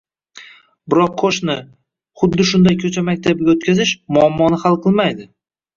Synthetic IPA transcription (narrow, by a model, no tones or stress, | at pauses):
bɪɾɒqʰːoʃnɪ | χʊd̪ːɪʃʊnd̪ajkʲʰɵt͡ʃʰamak̚ʲt̪ʰabɪɡʲaot̪̚kʲʰazɪʃmʊɒmːɒnɪhalˠqʰɨlˠmajd̪ɪ